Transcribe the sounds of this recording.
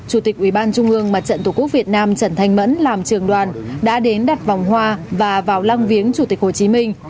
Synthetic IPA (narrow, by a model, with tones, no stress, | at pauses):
t͡ɕu˧˩t̪ï˨˩k̚ʔwi˧˩ɓaː˧nt͡ɕʊ˧ŋ͡mʔɨ˧əŋma˨˩t͡ɕə̰˧˨nt̪u˧˩ku˦˥k̚vi˨˩ət̚naː˧mt͡ɕə˧˩nt̪ʰa˧˩jŋ̟mə̰˧˥nlaː˨˩mt͡ɕɨ˨˩əŋɗwaː˨˩nɗa̰ː˧˥ɗe˨˦nɗa˨˩t̚va˨˩wŋ͡mhwaː˧vaː˨˩vaː˨˩wla˧ŋvi˨˦əŋt͡ɕu˧˩t̪i˨˩k̚ho˨˩t͡ɕi˨˦mï˧ŋ̟